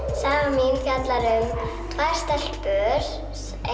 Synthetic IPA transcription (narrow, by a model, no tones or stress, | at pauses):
saːaminfjat̪laɾʏm | t̪ʰvajr̥st̪ɛl̥t̪pœːɾ̥ | s | e